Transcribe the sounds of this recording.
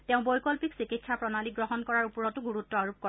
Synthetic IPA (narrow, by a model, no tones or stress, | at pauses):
tɛʊ̃bɔjkɔlpiksikitsʰapɹɔnaliɡɹɔɦɔnkɔɹaɹupɹɔtʊɡuɹutːɔaɹup̚kɔ